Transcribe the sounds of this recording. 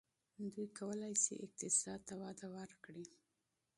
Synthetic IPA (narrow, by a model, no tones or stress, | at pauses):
d̪ujkawəlajsḭʔɪq̚t̪ɪsɑd̪̚t̪awɑd̪awəɾkɽi